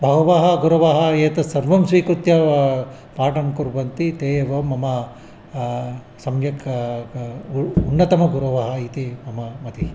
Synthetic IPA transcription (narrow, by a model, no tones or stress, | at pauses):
bʱɐɡɐʋaːɦɐɡuɾɐʋaːɦɐeːt̪ɐsɐɾʋɐmsʋiːkɾut̪jɐ | paːʈɐmkuɾbɐnt̪it̪eːjɐʋɐmɐmɐ | sɐmjɐk | unːɐt̪ɐmɐɡuɾɐʋɐɦɐit̪imɐmɐmɐt̪i